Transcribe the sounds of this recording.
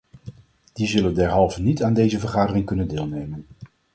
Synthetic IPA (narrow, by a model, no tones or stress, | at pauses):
d̥izɵləndɛɹɦɑlˠvənitaːndejzəvəɹχaːdərɪŋkɵnəndɪːlˠnejmən